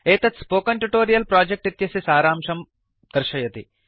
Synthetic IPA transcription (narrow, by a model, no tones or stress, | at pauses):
eːt̪ɐt̪spoːkɐɳʈuʈoːɾijɐlpɾaːd͡ʒek̚ʈit̪jɐsisaːɾaːmʃɐm | d̪̥ɐɾʃɐjɐt̪i